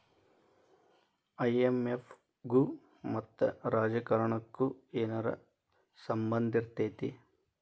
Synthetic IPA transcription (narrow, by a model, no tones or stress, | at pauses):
ɐjemef | ɡu | mɐt̪ːɐɾaːd͡ʒɐkɐɾɐɳɐkːueːnɐɾɐ̰ | sɐmbɐnd̪ʱiɾt̪eːt̪i